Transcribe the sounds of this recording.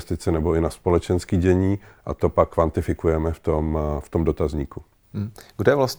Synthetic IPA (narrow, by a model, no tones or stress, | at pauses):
st̪ɪt͡sɛnɛbo̞ɪnaspo̞lɛt͡ʃɛnskiːɟɛɲiːʔa̰t̪o̞pakkːvant̪ɪfɪkujɛmɛft̪omft̪o̞mdo̞t̪azɲiːku | ɡdɛvlas